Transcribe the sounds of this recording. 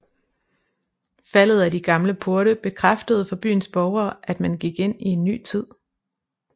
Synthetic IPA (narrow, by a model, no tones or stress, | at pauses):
fæl̰ð̩ˠædiɡ̥ɑ̈mləpʰo̝ɐɾəb̥e̝kʰʁɑfd̥əð̞̩ˠfɒ̽b̥y̰ːn̩sb̥ɒʊɐːʔæd̥mænɡ̥iɡ̥e̝n̰ie̝nːy̰ːt͡sʰið̰ˠ